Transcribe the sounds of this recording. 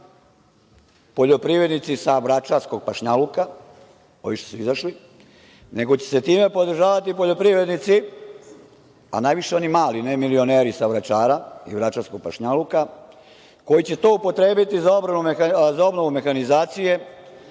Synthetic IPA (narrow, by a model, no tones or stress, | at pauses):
po̞ʎo̞pɾiʋɾed̪nit̪sisaʋɾat͡ʃaɾsko̞ɡ̚paʃɲaluka | o̞ʋiʃt̪esuizaʃli | ne̞ɡot͡ɕe̞̥se̞t̪iːme̞po̞d̪ɾ̩ʒaːʋat̪ipo̞ʎo̞pɾiʋɾe̞d̪nit̪si | a̰naːjʋiʃe̞o̞nimaːlinemilio̞ne̞ːɾisaʋɾat͡ʃaːɾaḭʋɾat͡ʃaɾsko̞ɡ̚paʃɲaluka | ko̞jit͡ɕe̞t̪o̞ːupo̞t̪ɾe̞ːbit̪izao̞bɾanumzao̞bno̞ʋume̞xanizaːt̪sije̞